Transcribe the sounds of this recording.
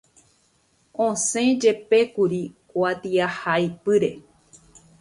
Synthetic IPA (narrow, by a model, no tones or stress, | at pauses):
õsẽd͡ʒe̞pe̞kuɾikwat̪iahajpɨɾe̞